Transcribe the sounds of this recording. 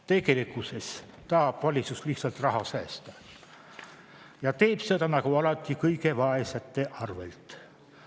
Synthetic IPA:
t̪e̞ɡe̞likuse̞s | t̪ɑːb̥vɑlʲit̪sust̪liht̪sɑlt̪rɑɦɑsæːst̪ɑ | jɑt̪e̞ːb̥se̞d̪ɑnɑkuɑlɑt̪ːˑikɤjke̞vɑesɑt̪ːˑe̞ʔɑrve̞̰lt̪ˑ

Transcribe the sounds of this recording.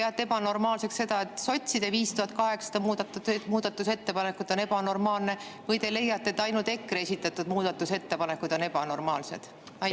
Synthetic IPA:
peɑt̪ːeebɑno̞rmɑːlse̞ksse̞d̪ɑe̞t̪ːˑso̞t̪ʲsid̪eviːst̪uhɑt̪kɑɦe̞ksɑ̥d̪ɑmuːd̪ɑt̪ːumuːd̪̥ɑt̪ːuse̞t̪ːe̞pɑne̞kud̪̥o̞nebɑno̞rmɑːlne̞ | vɤjt̪e̞le̞jːɑt̪ːet̪ːˑɑjnult̪e̞kːˑre̞sʲit̪ːˑɑt̪ːud̪̥muːd̪̥ɑt̪ːuse̞t̪ːe̞pɑne̞kːud̪o̞ne̞b̥ɑno̞rmɑːlse̞̰d̪̥ | ɑj

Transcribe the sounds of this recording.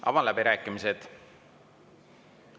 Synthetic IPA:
ʔɑ̰vɑlæbiɾæːkːˑimised̪̥

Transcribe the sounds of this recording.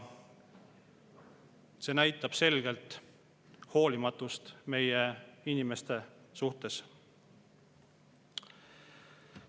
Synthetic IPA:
se̞ːnæjt̪ːˑɑb̥se̞lɡ̥e̞lt̪ˑ | ho̞ːlimɑt̪ːˑust̪me̞jeinʲime̞st̪e̞suht̪e̞s

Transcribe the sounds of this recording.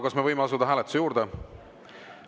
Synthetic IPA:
kɑsme̞vɤjmeɑsud̪ɑɦæːlet̪u̥sejuːɾd̪e

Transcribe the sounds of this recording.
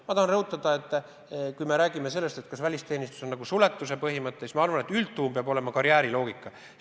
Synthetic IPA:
mɑt̪ɑhɑnrɤɦut̪ːˑɑd̪̥ɑe̞t̪ːˑ | kujme̞ɾæːɡ̥ime̞se̞lːest̪e̞t̪kɑsvælʲist̪e̞ːnist̪u̥so̞nːɑɡusule̞t̪ːˑus̬e̞pɤɦimɤt̪ˑːesmɑɑrvɑne̞t̪ːylt̪ːuːmpeɑbo̞le̞mɑkɑɾiæːɾilo̞ːɡ̥ikːˑɑ

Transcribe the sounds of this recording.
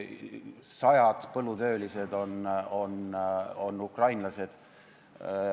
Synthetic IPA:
sɑjɑd̪̥pɤlːut̪ø̞ːlise̞d̪o̞no̞no̞nːukrɑjnlɑse̞d̪̥

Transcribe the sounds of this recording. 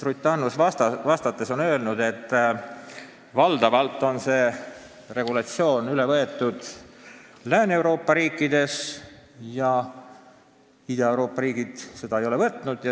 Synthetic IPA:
t̪rut̪ːˑɑnːust̪ɑvɑst̪ɑt̪ːˑe̞so̞nø̞ːlnud̪̥e̞t̪ːˑ | vɑld̪ɑvɑlt̪ːˑo̞nse̞ː | re̞ɡ̥ulɑt̪sio̞ːnylɛvɤe̞t̪ːˑud̪̥ | læːne̞wɾo̞ːpːˑɑɾiːkːˑid̪̥e̞s | jɑ | id̪̥ɑewɾo̞ːpːˑɑɾiːɡ̥id̪̥se̞d̪̥ɑejo̞le̞vɤt̪ːˑnud̪̥jɑ

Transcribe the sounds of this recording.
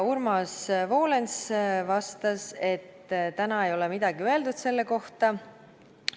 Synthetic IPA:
urmɑsvo̞ːle̞nsvɑst̪ɑse̞t̪ːt̪ænɑe̞jo̞lɛmid̪̥ɑɡ̥iøe̞ld̪̥ud̪se̞lːe̞ko̞ht̪ɑ

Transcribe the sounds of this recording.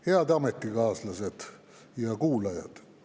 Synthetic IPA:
heɑd̪ɑmet̪ːiɡɑːslɑsed̪̥ | jɑkuːlɑjɑ̰d̪̥

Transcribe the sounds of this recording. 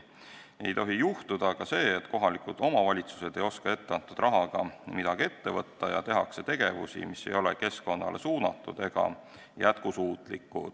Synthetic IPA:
ejt̪o̞ɦijuht̪ud̪̥ɑkɑse̞ːt̪ːˑko̞ɦɑlikud̪̥o̞mɑvɑlʲit̪su̥se̞d̪e̞jo̞skɑe̞t̪ːeɑnt̪ːˑud̪̥rʔɑɦɑɡ̥ɑmid̪ɑɡ̥e̞t̪ːe̞vɤt̪ːɑjɑ̰t̪e̞ɦɑkse̞t̪e̞ɡ̥e̞vṵsḭmisːe̞̰jo̞le̞̰ke̞sko̞nːɑ̰lʔe̞suːnɑt̪ːˑṵd̪̥e̞ɡ̥ɑ̰ | jæt̪kusuːt̪ˑlikːˑṵ̥

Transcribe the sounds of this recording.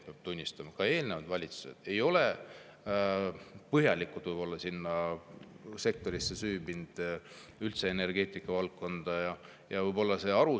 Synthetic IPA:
peɑb̥̚t̪unʲːist̪ɑmɑkɑe̞ːlnevɑd̪vɑlʲit̪su̥se̞̰d̪̥e̞jo̞le | pɤɦjɑlikːˑut̪vɯjb̥o̞lːɑsinːɑ | se̞k̚t̪o̞ɾisːesyːbind̪̥ | ylt̪se̞ene̞rɡ̥e̞ːt̪ˑikːˑɑvɑlkːo̞nd̪̥ɑjɑ | jɑvɯjbo̞lːɑse̞ɑɾu

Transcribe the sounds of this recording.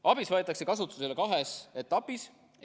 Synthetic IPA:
ʔɑb̥isvɑet̪ːˑɑksekɑs̬ut̪ːˑu̥se̞le̞kɑɦese̞t̪ːˑɑpːis

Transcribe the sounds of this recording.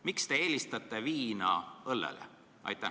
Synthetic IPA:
mikst̪e̞e̞ːlʲist̪ɑt̪ːˑe̞viːnɑ̰ɤlːḛlḛ | ʔɑ̰jt̪ːˑæ

